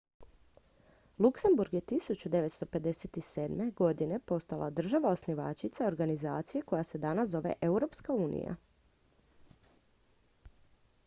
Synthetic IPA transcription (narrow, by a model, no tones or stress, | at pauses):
luksembuɾɡje̞t̪isut͡ɕud̪e̞ʋe̞t̪st̪ope̞d̪e̞set̪iseːd̪me̞ɡo̞d̪ine̞po̞st̪alˠʔa̰d̪r̩ʒaʋao̞sniʋa̰t͡ʃit̪sao̞ɾɡanizaːt̪sije̞ko̞jase̞d̪anaso̞ʋe̞̰ʔeuɾo̞pskauːnḭja̰